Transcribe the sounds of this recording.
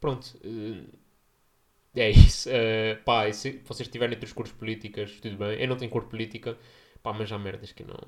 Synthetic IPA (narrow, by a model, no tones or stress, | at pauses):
pɾõnt̪u̥ɛ | ɛisu̥ɛpasɨvɔseʃt̪ivɛɾẽot̪ɾʃkuɾtu̥ʃpulˠit̪ikɐʃt̪uðuβẽj̃ḛwnɐ̃t̪ẽɲ̃ukuɾt̪pulˠit̪ikɐ | pamɐʒamɛɾðɐʃkɨnɐ̰̃w̃